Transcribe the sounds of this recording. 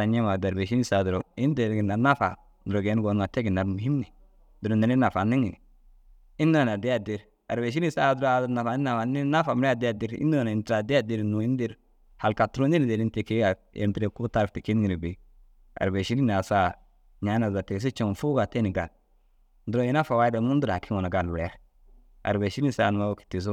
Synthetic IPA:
a˨ɲe˦ma˨da˨ɾbe˨ʃ̬i˦ni˦sa˨du˨ɾo˨ɪ˦nde˨ɾɡɪ˨na˨na˦fa˨ | ndɾo˨ɡe˨˦n˦ɡo˨nŋa˨te˦ɡɪ˨na˨ɾmu˨hi˦mnɛ˨ | du˨ɾo˨ne˨ni˦na˨fa˨nːi˦ŋi˨n˨ | i˦nːu˦a˨na˨di˦a˦di˨ɾ | a̰˨ɾbe˨ʃ̬i˦ni˦sa˦du˦ɾa˦du˦ɾna˨fa˨ni˦na˨fa˨ni˦na˦fa˨m˦ɾɛ˦˨da˨di˦ɾḭ˦nːu˦na˨n˨i˨ntɾa˨dɪ˦a˦di˦ɾnu˨i˦ndi˦ɾ | ha˨lka˨tu˦ɾu˦ni˦n˨de˨ɾi˦nte˨ki˦ɡa˨ | ḛ˨ntɾe˨ku˦ta˦ɾfti˨ki˦n˦ŋi˨ɾi˨bi˨ | a̰˨ɾbe˨ʃi˦ni˦na˨sa˦ | ɲa˨˦na˨za˨te˨s̬i˦t͡ʃo˨ŋ˨fu˦ɡa˨te˦ni˨ɡa˨l | dʊ˨ɾo˦˨jɛ˦na˦fa˨wa˦da˨mu˦ndu˦ɾa˨kʰi˦ŋɔ˨na˨ɡa˨lu˨ɾɛ˨˦ɾ | a̰˨ɾbe˨ʃi˦ni˦sa̰ː˦˨n˨ma˦o˦ki̥˨ti˨s̬u˦

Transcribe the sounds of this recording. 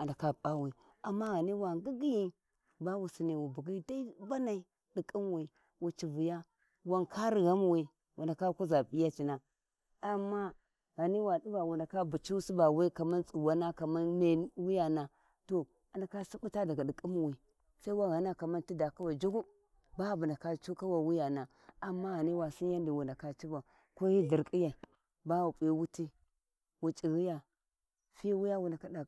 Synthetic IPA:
a˨nda˨ka˦pa˦wi˨ | a˨mːa˦ɣa˨ni˦wa˨ɡi˦ɡi˦ji˦ | ba˦wu˨si˨ni˨wu˨bu˨ɡi˦da˦i˦ba˦na˨i˨ | di˨kʼi˦m˦wi˨ | wu˨t͡ʃi˨vu˨ja˦ | wa˦nkʰa˦ɾi˨ɣa˦m˦˨wi˨ | wʔu˨nda˨ka˦ku˦za˨bi˦ja˦t͡ʃi˨na˨ | a˨mːa˦ | ɣa˨ni˦wa˨ɗi˦ba˨wu˨nda˨ka˦bu˨t͡ʃi˦si˦ba˨wi˦ka˨ma˦nt͡sʼu˨wa˦na˦ka˨ma˦nme˨n˦wi˦ja˦na˨ | to˨ | a˨na˨ka˦si˦bu˦ta˦da˨ɡa˨di˨kʼu˦mu˨wi˨ | sa˦i˦wa˦ɣa˨na˦ka˨ma˦n˦ti˦da˨ka˦wa˨d͡ʒu˦ɡu˦ | ba˦˨bu˨nda˨ka˦t͡ʃu˦ka˦wa˨wi˦ja˨na˨ | a˨mːa˦ɣa˨ni˦wa˨si˦ja˦ndi˨wu˨nda˨ka˦t͡ʃi˦ba˨ | ko˦ji˦di˨ɾkʼi˦ja˨ | ba˦wu˨pʼi˨˦wu˦ti˦ | wu˨t͡ʃʼi˨ɣi˦ja˨ | fi˦wu˦ja˦wu˨nda˨ka˦da˨

